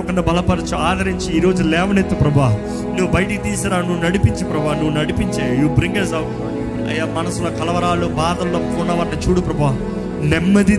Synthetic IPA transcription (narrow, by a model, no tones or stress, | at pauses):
kɐɳɖɐbɐlɐpɐɾɐt͡ʃuaːd̪ʱɐɾiɲt͡ʃiːɾoːd͡ʒulɛːʋɐnet̪ːɐpɾɐbʱaːɦu | nuʋːubɐjɐʈikit̪iːsaːɾaːnuʋːunɐɽipiɲt͡ʃipɾɐbʱaːnuʋːunɐɽipiɲt͡ʃaːjajuːbɾiŋɡɐsɐʋ | ɐ̰jːaːmɐnɐsuloːkɐlɐʋɐɾaːlubaːd̪ɐlːoːkunɐʋaːɾɐnit͡ʃuːɽupɾɐbʱaːɦu | nɛmːɐd̪i